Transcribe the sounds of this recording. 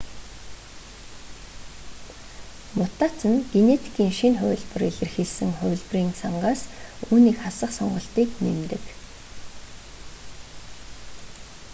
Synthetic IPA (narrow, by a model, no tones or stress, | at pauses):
mʊt̪aːt͡sə̆nɡ̥enet̪ʰi̥kiːŋʃinχʊ̰ːɮpə̆reɮɘ̆rxeɮsɘ̆ŋχʊːɮp̆riːŋsʰaɴɢaːsuːniːkχasə̆χsɔɴɢɞ̆ɬt̪iːknemt̪ɘ̆k